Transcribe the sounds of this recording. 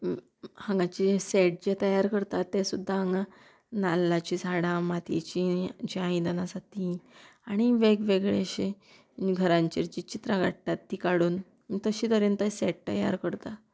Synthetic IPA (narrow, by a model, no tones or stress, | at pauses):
hãŋɡãt͡ɕiseʈ̚d͡ʑet̪əjaɾkəɾt̪at̪ːẽsud̪ʱːaɦãŋɡã | nalːat͡ɕisaɽãmat̪ḛt͡ɕid͡ʑaãĩd̪ənasat̪ʰi | aɽ̃iʋeɡʋeɡɭeɕe | ɡʱəɾãɲt͡ɕiɾt͡ɕit͡ɕit̪ɾãɡaʈːat̪ːiːkaɽuːn | t̪əɕiːt̪əɾənt̪əseʈ̚t̪ə̰ja̰ɾkəɾt̪a